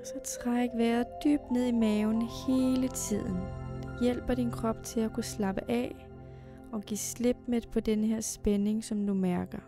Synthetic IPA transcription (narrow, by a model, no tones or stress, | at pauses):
sɒ̽t͡sʰʁä̰eɡ̥ʋæːɐðˠd̥y̰ːb̥̚d̥ne̝ð̞̰ˠimɛʊnhe̝ːlət͡sʰið̞̰ˠn̩jel̰b̥ɐɾ̥inkʰʁɒ̽b̥̚t͡sʰe̝lækʰuslɑ̈b̥əʔɛ̰ | ɒ̽ɡ̥ḭːsle̝b̥̚med̥pʰɒ̽d̥enəɦeɐ̰sb̥ene̝ŋsɒ̽md̥umæɐɡ̥ɐ